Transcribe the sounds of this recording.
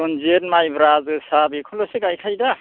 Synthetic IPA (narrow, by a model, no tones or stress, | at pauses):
ɔnzetmajbɾazɯsabekʰɔlɔseɡajkʰajda